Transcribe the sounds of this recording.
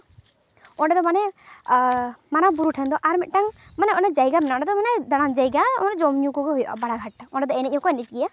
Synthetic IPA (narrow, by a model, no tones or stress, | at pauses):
ɔɖɛd̪ɔmanɛ | manabuɾuʈʰɛnd̪ɔʔaɾmɛt̪̚ˀʈaŋmanɛɔnɛd͡ʒajɡamɛnaɔ̃ɖɛd̪ɔmanɛd̪aɽ̃amd͡ʒajɡaɔ̰ɔnɛd͡ʒɔmɲukɔɡɛɦujɔʔa̰baɽaɡʱaʈɔ̃ɳɖɛd̪ɔɛnɛc̚ˀhɔ̃kɔɛnit͡ʃɡija